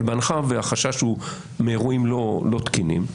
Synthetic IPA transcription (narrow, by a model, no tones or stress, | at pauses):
lbanχaveaχaʃaʃhu | meːʁuimlolo̞t̪kinḭm